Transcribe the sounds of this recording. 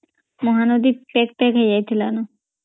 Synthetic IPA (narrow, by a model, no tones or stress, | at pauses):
mɔɦanod̪ipɛkpɛkʰed͡ʑajt̪ʰilano